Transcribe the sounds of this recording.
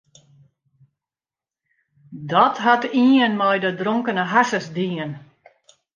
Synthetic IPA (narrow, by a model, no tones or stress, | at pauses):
dɔtɦatiənmɔjdədroŋkənəɦasəsdiən